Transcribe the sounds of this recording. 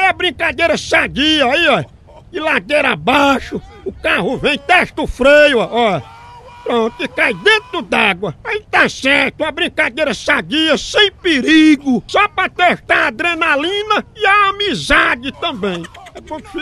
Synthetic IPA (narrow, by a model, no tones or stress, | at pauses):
ɛabɾĩkad̪ejɾɐsaɡiɐaiɔ | ɪlad̪eɾabaʃʊ | ʊkaɦʊvẽj̃t̪ɛʃt̪ʊfɾejʊaɔ | pɾõt̪ɪkajd̪ẽt̪ɾʊd̪aɡwɐait̪asɛɾt̪ʊɐbɾĩkad̪ejɾɐsaɡiɐsẽj̃peɾiɡʊsɔpɾɐt̪eʃt̪aɾad̪ɾenalĩnɐɪaamizad͡ʒɪt̪ɐ̃bẽj̃ɛpõfi